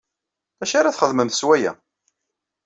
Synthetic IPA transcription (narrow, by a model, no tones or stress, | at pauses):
æʃaɾaθχəðməmθəswæjæ̰